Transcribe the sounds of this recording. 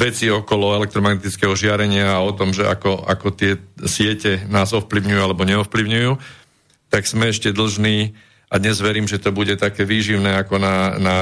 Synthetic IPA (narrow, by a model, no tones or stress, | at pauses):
ʋɛt͡siɔkɔlɔɛlɛk̚t̪ɾɔmaɡnɛt̪it͡skɛɦɔʒɪaɾɛɲɪaːɔt̪ɔmʒɛʔa̰kɔa̰kɔt̪ɪɛsɪɛcɛnaːzɔfpliʊɲujualɛbɔɲɛɔfpliʊɲujuː | t̪aɡz̥mɛɛʃcɛd̪l̩ʒniː | ad̪ɲɛzʋɛɾiːmʒɛt̪ɔbuɟɛt̪akɛːʋiːʒiʊnɛːakɔnana